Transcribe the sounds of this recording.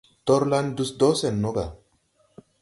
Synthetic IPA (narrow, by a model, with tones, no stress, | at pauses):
t̪ɔ˦ɾla˦nd̪u˦sd̪o˦se˨nːo˦ɡa˨